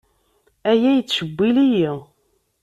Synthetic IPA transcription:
æjæjət͡sːʃəbʷːiliji

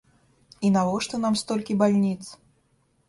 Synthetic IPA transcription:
inavɔʂt̪ɔnamst̪ɔlʲkʲibalʲnʲit̪s

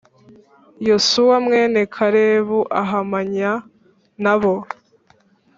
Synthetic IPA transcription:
josuwamŋe̞ːnekʰaɾeːβuʔaɦamaɲa | naβo

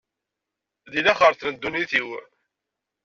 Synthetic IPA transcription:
ðilæχəɾθnənd̪ːuniθiw

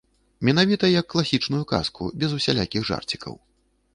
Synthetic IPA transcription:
mʲɛnavʲit̪ɐjɐkːlˠasʲit͡ʂnujuka̰skṵbʲɛzusʲalʲa̰kʲiɣʐa̰rt͡sʲi̥kɐ̰w

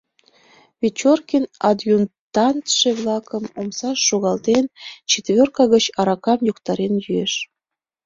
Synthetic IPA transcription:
βʲet͡ɕorkʲinɑd̪junt̪ɑnt̪ʃeβlˠɑkəmomsɑʃːoɣɑlt̪ent͡ɕet̪βʲørkɑɣət͡ɕɑɾɑkɑmjokt̪ɑɾenjyeʃ

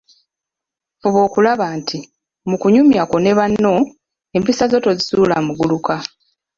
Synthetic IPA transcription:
fuβo̞ːkulaβaːntʰi | mukuɲumjako̞ne̞βanːo̞ | e̞mpisazo̞to̞zisuːlamuɡuluka

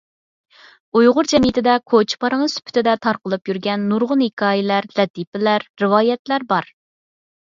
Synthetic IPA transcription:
ujʁʊɾd͡ʒɛmjɪt̪ʰɪd̪ɛkʰot͡ʃʰpɑɾɨŋsy̥pʰy̥t̪ʰɪd̪ɛt̪ʰɑɾqəlˠɨpjyɾɡʲɛnːuɾʁʊnhikʰɑːjɪlæɾlɛt̪ʰipɪlæɾːɨwɑːjɛt̪læɾbɑɾ

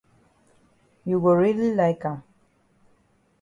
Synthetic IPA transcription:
juwəɹililaɪkam

